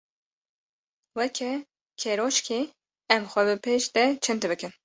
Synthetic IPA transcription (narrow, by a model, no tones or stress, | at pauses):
wɛkʰɛ | kʰeɾoʃkʰi | ɛmxʷɛbɨpʰeːʃd̪ɛt͡ʃʰɨnt̪ɨbɨkɨn